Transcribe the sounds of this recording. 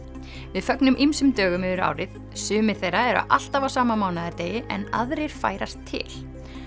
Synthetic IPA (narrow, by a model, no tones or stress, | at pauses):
vɪðfœknʏmʔimsʏmt̪œːɣʏmɛɪɾa̰ːwɾɪð | sʏːmɪ̥θejrːaɛɾa̰ʔa̰l̥t̪avawsaːmamaːwnaðɛɾt̪eːjɪʔɛ̰na̰ðɾeɾ̥fa̰ːjɾast̪ʰːɪ̰l